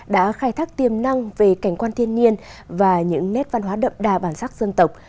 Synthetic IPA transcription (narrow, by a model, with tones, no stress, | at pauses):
ɗa̰ː˧˥xaː˧jt̪ʰaː˦˥k̚t̪i˨˩əmna˧ŋve˨˩ka˧˩jŋ̟kwaː˧nt̪ʰi˧ənːi˧ən | vaː˨˩ɲɨ̰˧˥ŋnɛ˦˥t̚va˧nɦwaː˨˦ɗə̰˧˨mɗaː˨˩ɓaː˧˩nsaː˦˥k̚zə˧nt̪ə˨˩wk͡p̚